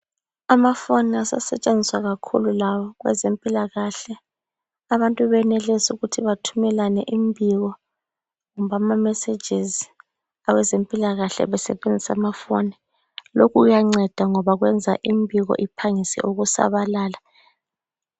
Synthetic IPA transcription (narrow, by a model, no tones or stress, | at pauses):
amafoniasa̰sɛt͡ʃʼend͡zʱiswaɣakʰṵlulawɔɣwɛ̰zempʼilaɣaɬɛ | aβantʼuβɛnɛlɛsuɣutʰiβatʰumɛlanɛʔimbʱiɣɔ | ŋumβamamɛse̥d͡ʒʱiz | awɛzempʼilaɣaɬɛ̰βɛsɛβend͡zʱisa̰mafo̰ni | lokʰuujaŋ͡ǀɛd̥ʱaŋɔβaɣwɛnd͡zʱaʔimbʱiɣɔ̰ʔipʰaŋisɛ̰ʔuɣusa̰βalaːla